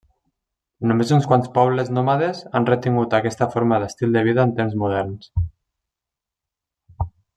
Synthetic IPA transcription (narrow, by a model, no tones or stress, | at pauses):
numezunskwanspɔβ̞ləznomaðezanrət̪iŋɡut̪akɛst̪əfoɾmaðəst̪ilˠd̪əβ̞iðaːnt̪emzmuð̞ɛɾns